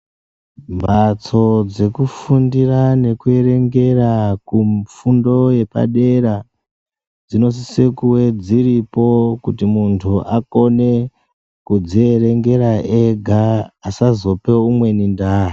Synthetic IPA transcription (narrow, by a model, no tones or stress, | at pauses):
mbat͡so̞d͡ze̞kufundirane̞kue̞ɾe̞ŋɡe̞rakufundo̞je̞pa̰ɗe̞ɾa | d͡zino̞s̬isekuwe̞d͡ziripo̞kutimuntʰuʔako̞ne̞ | kud͡zie̞ɾe̞ŋɡe̞ɾaʔeɡʱaːsazo̞pe̞umwe̞nindaːɦa